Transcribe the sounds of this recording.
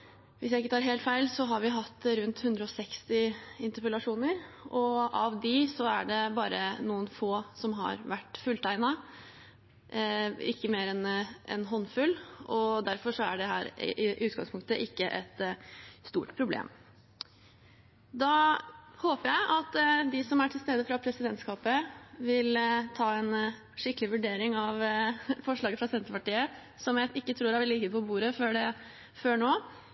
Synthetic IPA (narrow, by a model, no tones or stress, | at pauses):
ʋɪsjæɪɪkːət̪ʰɑːɾɦeːlt̪fæɪlsɔɦɑɾʋɪɦɑt̪ːɾʉnt̪hʉnd̪ɾəɔsɛkst̪ɪɪnt̪əɾpəlɑʂuːnəɾʔɔɑʋd̪ɪsɔæɖɛbɑːɾənuːənfoːsɔmɦɑ̰ɾʋæʈːfʉlt̪ʰæɪnɑ | ɪkːəmeːɾɛnɛ̰nɦɔnːfʉlʔɔd̪æɾfɔʂɔæɖɛɦæːɾɪ̰ʔɪʔʉːt̪ɡɑŋspʰʊŋkt̪əʔɪkːəʔɛt̪st̪ṵːʈpʰɾʊblḛːm | d̪ɑhoːpəjæɪʔɑt̪ːd̪ɪsɔmæʈʰɪlst̪eːd̪əfɾɑpʰɾɛsɪd̪ɛnt̪skɑːpəʋɪlt̪ʰɑːɛn | ʂɪkːəlɪʋʉɖeːɾɪŋɑʋfɔʂɭɑːɡəfɾɑsɛnt̪əpɑʈiːə | sɔmjæɪʔɪkːət̪ʰɾuːɾæʋɛlɪt̪iːd̪pʰɔbuːɾəføːɖɛ | føːɳoː